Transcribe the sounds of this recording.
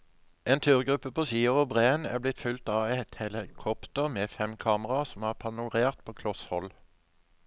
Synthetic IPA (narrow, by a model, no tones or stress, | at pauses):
ʔeːnt̪ʰyːʁɡʁʉpːəpʰoːsiːʊʋɔbʁeːənæːʁblɪt̪fʉlt̪ɑːɛt̪hɛləkʰɔpt̪əʁmeːfɛmkʰɑːməʁɑsɔmæːʁpʰɑnʊʁeːʁt̪pʰoːkʰlɔshɔl